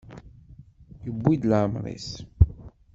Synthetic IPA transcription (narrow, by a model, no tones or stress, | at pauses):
jəbːid̪lʕəmɾˤḭs